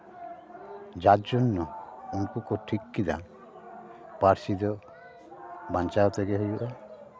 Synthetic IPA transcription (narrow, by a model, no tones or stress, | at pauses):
d͡ʒad͡ʒɔnːɔunkukɔʈʰikːid̪a̰ | paɾsid̪ɔ | bant͡ʃaɔt̪ɛɡɛɦejuʔa